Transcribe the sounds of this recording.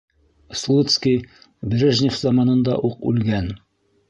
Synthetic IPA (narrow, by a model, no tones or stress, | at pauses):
slˠut̪skʲi | bɾʲeʒnʲɪfzɑmɑnɤ̆nd̪ɑ̰ʔuqʉ̰lɡæn